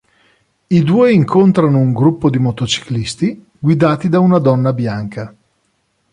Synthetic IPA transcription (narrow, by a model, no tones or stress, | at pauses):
id̪uːeiŋkʰont̪ɾanouŋɡɾupːod̪imot̪ot͡ʃi̥klist̪i | ɡwid̪aːt̪id̪aunad̪ɔnːabjaŋka